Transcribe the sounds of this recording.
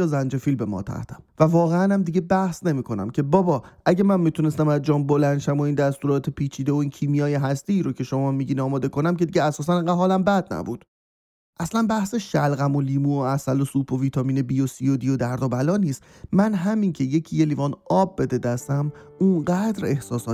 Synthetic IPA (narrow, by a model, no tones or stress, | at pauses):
zænd͡ʒe̞fiːlbe̞mɒ̰ːt̪ʰæ̰ht̪ʰæ̥mvævɒːɣeænæmd̪iɟe̞bæhsne̞miːkʰo̞næ̰mcʰe̞bɒːbɒːʔæɟe̞mænmit̪ʰune̞st̪æmæzd͡ʒɒːnbo̞lænʃæmo̞iːnd̪æst̪uːɾɒːt̪ʰepʰiːt͡ʃʰiːd̪eoiːncʰiːmijɒːjeɦæst̪eiːɾo̞cʰe̞ʃomɒmːiɟiniɒːmɒːd̪e̞konæmcʲʰed̪iɟeæsɒːsæneŋɢædɦɒːlæmbæd̪̚næ̰bṵːd̪̥ | ʔæslænbæhseʃælɣæmoliːmuːoæsælosuːpʰoviːt̪ʰɒːmiːne̞biosiod̪ijod̪æɾd̪ɒbælɒːniːst̪mænɦæmincʰe̞je̞cʰiːje̞liːvɒːnɒːb̚ːe̞d̪e̞d̪æst̪æmuɴɢæd̪ɾe̞hsɒːsɒː